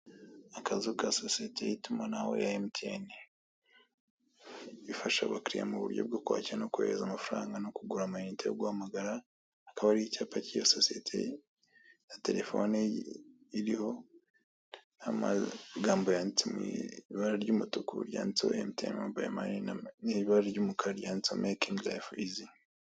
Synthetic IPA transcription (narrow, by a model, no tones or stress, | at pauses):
akazukasosietʰe̞jitumanawo̰jaemtʰeni | ifaʃa̰βakɾija̰muβṵɾɟo̞̰b̚ɡo̞kwa̰ːciɾanokuḛɾezamafuɾaːŋɡanokuɡuɾamuinitʰejoɡwaːmaɡaɾa | akaβaɾihicaːpacijososietʰḛ | jate̞ɾe̞fo̞ni | iɾiho̞ | nama̰ɡaːmbo̞jaːnit͡semiβaɾaɾɟumutukuɾja̰ːnit͡so̰emtʰḛmmubama̰niniβiβaɾaɾɟumukʰaɾjaːnit͡somʔekiŋɡla̰fizi